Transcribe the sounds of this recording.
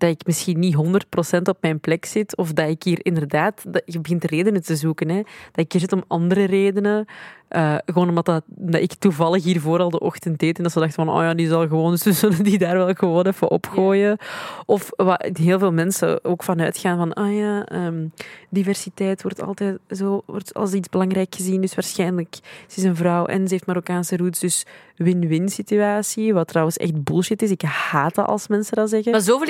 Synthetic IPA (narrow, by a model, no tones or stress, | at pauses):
d̥ɑɪkmɪsxinːiɦɔndərt̚prosɛntɔp̚mɛjnplɛksɪtʰɔfdɑɪkɦiːrɾɪndərdaːtdɣəbəɣɪntəreːdənətəzuːkənɛd̥ɑɪkiːrzɪtɔmɑndəɾəreːdənəʔəːɣəwoːnɔmdɑtɑmdɑ̰ɪktuvɑlˠəxɦiːrvoːɾɑlˠdəʔɔxtənt̚deːtɛndɑtsədɑxtəvɑno̰ːjaːdizɑlˠɣəʋoːnəsəsənədidaːrʋɛlˠɣəʋoːnɛfə̰ʔɔ̰pxoːjəɔfʋaɦeːlˠveːlˠmɛnsə̰oːkfɑnœːtxaːnvɑnʔaːjaːəːmdivɛrsitɛːtwɔrtɑ̰lˠtɛːtzoːɔ̰rtɑ̰lˠsidzbəlɑŋɾɛjkxəzindʏsʋaːrsxɛːnələkz̥ɪsənvɾɑwʔɛ̰nzəeːftmaɾokaːnsəɾutzdʏs | wɪnʋɪnsityaːsiʋɑtːrɑwənsɛ̰xtbʊlˠʃɪtɪsɪkhaːta̰ʔɑ̰lˠsmɛnsədɑzɛɣəazoːveːl